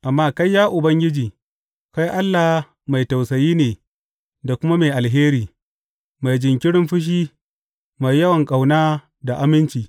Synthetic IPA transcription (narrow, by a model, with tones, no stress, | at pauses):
ʔa˨mːaː˦ka˦jːaː˦ʔʊ˨bɐ˦ŋɡʲɪ˦d͡ʒiː˨ | ka˦jʔa˦lːa˨h | ma˨jta˨wsɐ˨jiː˦neː˨ | da˨kʷʊ˦ma˦me˨jʔa˨lɦeː˦ɾiː˨ | ma˨jd͡ʒɪ˨ŋkʲɪ˦ɽɪ˦mɸʊ˦ʃ̬iː˦ | ma˨jːɐ˦wɐ˨ŋkʼa˨wnaː˦ | da˨ʔa˨˦mɪ˦nt͡ʃiː˨